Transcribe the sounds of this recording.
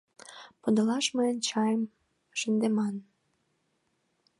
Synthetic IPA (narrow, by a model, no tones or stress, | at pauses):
pod̪əlɑʃməənʲt͡ɕɑjem | ʒ̥ə̆nd̪emɑn